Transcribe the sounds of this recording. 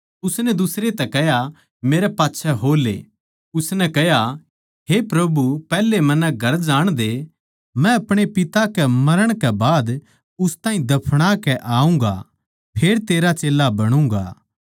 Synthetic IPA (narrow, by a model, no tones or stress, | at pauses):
ʊsnɛd̪ʊsɾet̪ɛkɛɦja | meːɾɛpaːtːʃʰɛɦoːlḛː | ʊsnɛkɛɦja | ɦepɾɐbupɛːlːemɐnɛɡʱɐɾd͡ʒaːɽ̃d̪e | mɛ̃ɐpɽ̃epɪt̪akɛmɐɾəɽ̃kɛbaːd̪ | ʊst̪ãːĩd̪ɐpʰɽ̃akɛʔaːũːŋɡa̰ | pʰeːɾt̪eːɾat͡ʃeːlːabɐɽ̃ũːŋɡa̰ː